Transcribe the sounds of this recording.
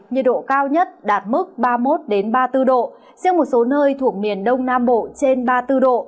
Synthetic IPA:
ɲɨ̰˨˩t̚ɗo̰˧˨kaː˧wɲə˦˥t̚ɗaː˨˩t̚mɨ˦˥k̚ɓaː˧mo˦˥t̚ɗe˨˦nɓaː˧t̪ɨ˧ɗo̰˧˨ | zɛ˧wmo˨˩t̚so˨˦nəː˧jt̪ʰu˧˩ək̚mi˨˩ənɗə˧wŋ͡mnaː˧mɓo̰˧˨t͡ɕe˧nɓaː˧t̪ɨ˧ɗo̰˧˨

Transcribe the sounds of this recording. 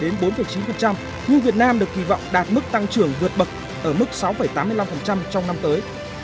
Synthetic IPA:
ɗe˨˦nɓo˨˦nfə˨˩jt͡ɕi˨˦nfə˨˩nt͡ɕa˧m | ɲu˧vi˨˩ət̚naː˧mɗɨ˨˩ək̚ːi˧˩vɔ̰˧˨wŋ͡mɗaː˨˩t̚mɨ˦˥k̚t̪a˧ŋt͡ɕɨ˧˩əŋvɨ˨˩ət̚ɓə˨˩k̚ | ʔəː˧˩mɨ˦˥k̚sa˨˦wfə˧˩jt̪aː˨˦mːɨ˧əjla˧mfə˨˩nt͡ɕa˧mt͡ɕɔ˧wŋ͡mna˧mt̪əː˨˦j

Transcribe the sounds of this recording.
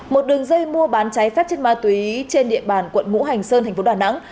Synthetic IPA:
mo˨˩t̚ɗɨ˨˩əŋzəː˧jmu˧əɓaː˨˦nt͡ɕa˨˦jfɛ˦˥p̚t͡ɕe˧nmaː˧˩t̪wi˨˦t͡ɕe˧nɗḭ˧˨əɓaː˨˩nkwə̰˧˨nŋṵ˧˥ɦa˨˩jŋ̟səː˧nt̪̟ʰfo˨˦ɗaː˨˩na̰˧˥ŋ

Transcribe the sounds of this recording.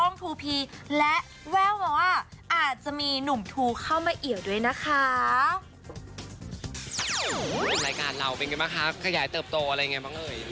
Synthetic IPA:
ɔ˥˩ŋt̪ʰuː˧pʰiː˧lɛ˦˥ʔ | wɛː˥˩wwɔː˧wa˥˩ʔaː˨˩t̪̚t͡ɕa˨˩ʔmiː˧nu˨˩˦mt̪ʰuː˧kʰa˥˩wmaː˧ʔi˨˩˦wdu˥˩əjna˦˥kʰa˦˥ | ɾaː˧jkaː˧nla˧˩wpe˧nka˧baː˥˩kʰa˦˥kʰa˧jaː˩˦jt̪ɤː˨˩p̚t̪oː˧ʔa˧ɾa˧jːa˨˩ŋa˧˥jbaː˥˩ŋlɤː˧j

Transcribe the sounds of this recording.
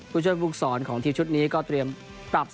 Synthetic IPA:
kʰuː˥˩t͡ɕʰu˥˩əjfu˦˥˩k̚sɔː˩˦nkʰɔː˩˦ŋt̪ʰiː˧wt͡ɕʰu˦˥t̪̚niː˦˥kɔː˥˩t̪ɾi˧əm | pɾa˨˩p̚

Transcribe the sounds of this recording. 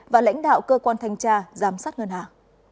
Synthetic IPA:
vaː˨˩la̰˧˥jŋ̟ɗa̰ː˧˨wkəː˧kwaː˧nt̪ʰa˧jŋ̟t͡ɕaː˧zaː˨˦msaː˦˥t̚ŋə˧nhaː˨˩ŋ

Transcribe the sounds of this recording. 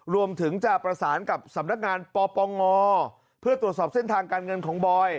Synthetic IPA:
ɾu˧əmt̪ʰɯ˩˦ŋt͡ɕa˨˩pɾa˧saː˩˦nka˨˩p̚sa˩˦mna˦˥k̚ŋaː˧npɔː˧pɔː˧ŋɔː˧ | pʰɯ˥˩ɐt̪ɾu˨˩ət̪̚sɔː˨˩p̚se˥˩nt̪ʰaː˧ŋkaː˧nŋɤ˧nkʰɔː˩˦ŋbɔː˧j

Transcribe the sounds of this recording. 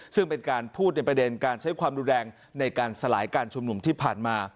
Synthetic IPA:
sɯ˥˩ŋpe˧nkaː˧npʰuː˥˩t̪̚na˧jpɾa˧de˧nkaː˧nt͡ɕʰa˦˥jkʰwaː˧mɾuː˧nɾɛː˧ŋ | na˧jkaː˧nsa˧la̰ː˩˦jkaː˧nt͡ɕʰu˧mnu˧mt̪ʰiː˥˩pʰaː˨˩nmaː˧

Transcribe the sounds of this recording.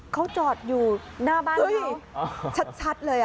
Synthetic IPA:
kʰa˨˦˥wt͡ɕɔː˨˩t̪̚juː˨˩ | naː˧˩ɓaː˧t͡ɕʰa˦˥t͡ɕʰa˦˥t̪̚lɤː˨˩jʔ

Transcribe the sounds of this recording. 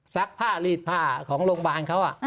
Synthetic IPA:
sa˦˥k̚pʰaː˥˩liː˧˩t̪̚pʰaː˧˩kʰɔː˩˦ŋloː˧ŋbaː˧nkʰa˦˥wʔa˨˩ʔ

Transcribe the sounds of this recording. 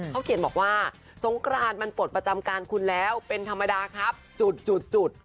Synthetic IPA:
a˦˥kʰi˩˦nbɔː˨˩k̚waː˥˩ | so˩˦ŋkʰɾaː˧nma˧npu˨˩t̪̚pɾa˧t͡ɕa˧mkaː˧nkʰu˧nlɛː˦˥wpe˧nt̪ʰa˧mːa˧daː˧kʰɾa˦˥p̚t͡ɕu˨˩t̪̚t͡ɕu˨˩t̪̚t͡ɕu˨˩t̪̚

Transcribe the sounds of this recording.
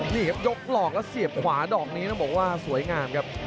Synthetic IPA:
niː˧˩kʰa˦˥p̚jo˦˥p̚lɔː˨˩k̚lɛ˦˥si˨˩əp̚kʰwaː˩˦dɔː˨˩k̚niː˦˥na˦˥˩bɔː˨˩k̚waː˥˩su˩˦əjŋaː˧mkʰa˦˥p̚

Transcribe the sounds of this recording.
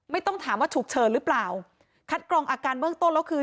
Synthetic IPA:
ma˥˩jt̪ɔ˥˩ŋt̪ʰaː˩˦mwaː˥˩t͡ɕʰuː˨˩k̚t͡ɕʰɤː˧ɾɯː˦˥plaː˨˩w | kʰa˦˥t̪̚klɔː˧ŋʔaː˧kaː˧nbɯ˥˩əŋt̪o˥˩nlɛː˦˥wkʰɯː˧

